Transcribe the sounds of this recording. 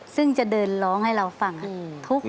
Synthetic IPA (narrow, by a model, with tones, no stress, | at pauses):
sɯ˥˩ŋt͡ɕa˧˩dɤː˧nlɔː˦˥ŋha˥˩jɾa˧wfa˧ŋʔa˨t̪ʰu˦˥k̚